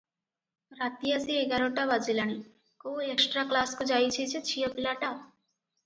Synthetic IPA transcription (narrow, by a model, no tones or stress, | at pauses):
ɾat̪iasieɡaɾoʈaʋad͡ʒilani | koeksʈɾaklaskud͡ʒajt͡ʃʰet͡ʃʰet͡ʃʰijəpilaʈa